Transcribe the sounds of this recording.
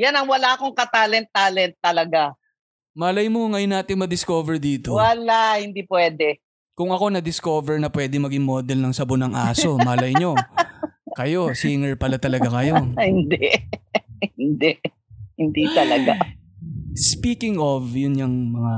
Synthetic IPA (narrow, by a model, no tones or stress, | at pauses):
janɐŋwɐlaɐkoŋkɐt̪alɛnt̪ːaːlɛnt̪ːɐlɐɡa | maːlɐjmoŋɐjʊnːaːt̪ɪŋmɐd̪ɪskovɛɹd̪iːt̪owɐlahɪnd̪iːpwɛːd̪ɛ | kʊŋɐko̞nɐd̪ɪsko̞vɛɹnɐpwɛːd̪ɪŋmɐɡɪŋmoːd̪ɛlnɐŋsɐbonɐŋʔaːso̞maːllɐjɲo̞ | kɐjo̞siŋɛɹpɐlat̪ɐlɐɡakɐjo̞hɪnd̪ɛʔhɪnd̪ɛʔ | hɪnd̪it̪ɐlɐɡa | spiːkɪŋovjʊnɲɐŋmɐŋa